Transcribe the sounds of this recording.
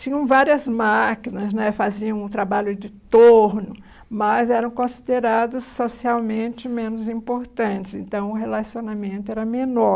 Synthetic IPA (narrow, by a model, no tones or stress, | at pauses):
t͡ʃĩɲɐ̃w̃vaɾiɐzmakinɐznɛfaziɐ̃w̃ũt̪ɾabaʎʊd͡ʒɪt̪oɾnʊ | mɐzɛɾɐ̃w̃kõsi̥d̪eɾad̪ʊsːosiawmẽnt͡ʃɪmẽnʊzĩpoɾt̪ɐ̃t͡ʃɪsẽnt̪ɐ̃w̃ʊɦelasionamẽnt̪ʊɛɾɐmenɔ